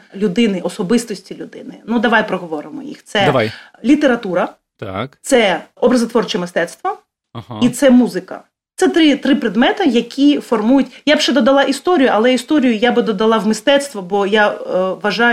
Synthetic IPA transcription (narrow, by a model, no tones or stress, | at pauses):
lʲʊd̪ɪnɪʔɔsɔbɪst̪ɔsʲtʲilʲʊd̪ɪ̰nɪnud̪ɐʋajpɾɔɦɔʋɔɾɪmɔ̰jḭxt̪sɛɐʋaj | lʲit̪eɾɐt̪uɾɐ | t̪akt̪sɛɔbɾɐzɐt̪ʋɔrt͡ʃɪmɪst̪ɛt̪st̪ʋɐ | ɦit̪sɛmuzɪkɐ̰ | t̪sɛt̪ɾɪt̪ɾɪpɾed̪mɛt̪ɐjɐkʲʰifɔrmujʊtʲjabʃɛd̪ɔd̪ɐlˠɑʔist̪ɔɾʲijʊʔɐlˠɛist̪ɔɾʲijʊjabɪd̪ɔd̪ɐlˠɑʋmɪst̪ɛt̪st̪ʋɔbɔjaʋɐʒɑ